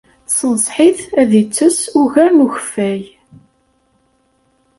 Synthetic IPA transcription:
sənsˤħiθæðit͡sːəsuʝæɾnuçə̥fːæj

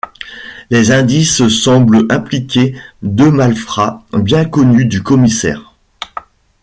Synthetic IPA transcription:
lezɛ̃d̪issɑ̃blɛ̃plikʲed̪ømalfχabjɛ̃kɔnyd̪ykɔmisɛ̰ːʁ

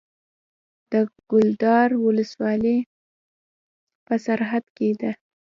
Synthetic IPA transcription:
d̪̥əɡ̥ʊld̪ɑɾwʊləswɑli | pəsaɾɦad̪ked̪a

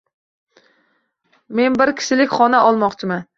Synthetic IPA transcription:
me̞nbɪɾkʲʰɪ̥ʃɪlɪkʲχɒnaʔɒlˠmɒqt͡ʃʰɪman

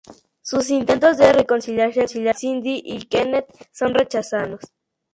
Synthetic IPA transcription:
sus̬int̪ent̪osd̪erekonsiljaɾsjonsiljasind̪iʔikenet̪sonret͡ʃasaðos

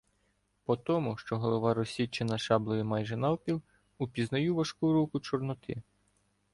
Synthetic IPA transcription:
pɔt̪ɔmʊʃt͡ʃɔɦɔlˠɔʋɑɾɔsʲit͡ʃːenɐʃɑblˠɔjimɑjʒɛnɑwpʲiw | upʲiznɐjuʋɐʃkuɾukʊt͡ʃɔrnɔt̪ʰɪ

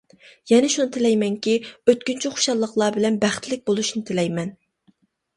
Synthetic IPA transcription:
jɛnɛʃunɨt̪ʰɪlɛjmɛŋkʲiøt̪̚kʲynt͡ʃʰɛχʰo̥ʃɑlˠːəqlˠɑːbɪlɛnbæχt̪lɪk̚ʲbolˠuʃnɪt̪ʰɪlɛjmɛn

